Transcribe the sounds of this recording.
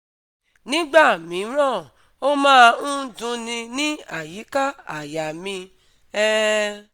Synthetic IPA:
nĩ˦ɡ͡ba˦˨mĩ˨˦ɾ̃ɔ̃˦˨ | o˦mãː˦˧ũ˦dũ˧˦nĩ˧nĩ˦a˦˨ji˨˦ka˦a˨ja˨mĩ˧ | ɛ˦

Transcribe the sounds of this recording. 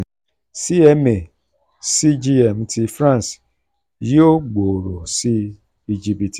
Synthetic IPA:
si˦ɛ˧me˨ | si˦d͡ʒi˦˧ɛ˨m̩̃˨˦ti˧fɾã˦˨n˨s | jo˦ɡ͡bo˨ɾo˨si˦ | i˧d͡ʒi˧bi˨ti˨

